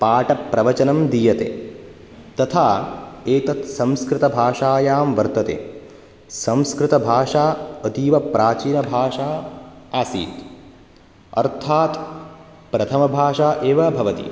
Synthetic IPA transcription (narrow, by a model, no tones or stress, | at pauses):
paːʈɐpɾɐʋɐt͡ʃɐnɐmd̪iːjɐt̪ḛː | t̪ɐt̪ʰaːeːt̪ɐt̪sɐ̃mskɾɪt̪ɐbʱaːʂaːjaːmʋɐɾt̪ɐt̪ḛː | sɐ̃mskɾɪt̪ɐbʱaːʂaːɐt̪iːʋɐpɾʔaːt͡ʃiːnɐbʱaːʂaː | aːsḭːt̪ | ɐ̰ɾt̪ʰaːt̪ | pɾɐt̪ʰɐmɐbʱaːʂaːʔeːʋɐbʱɐʋɐt̪ḭ